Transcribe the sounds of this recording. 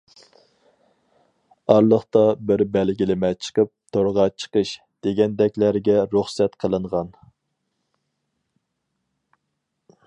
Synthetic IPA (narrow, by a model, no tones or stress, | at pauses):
ɑɾlˠəχt̪ɑbɪɾbɛlɡʲilɪmɛt͡ʃʰə̥qəp̚t̪ʰoɾʁɑt͡ʃʰə̥qəʃ | d̪̥eɡʲɛnd̪ɛkʲlæɾɡʲɛɾuχsɛt̪qʰəlˠɨɴʁɑn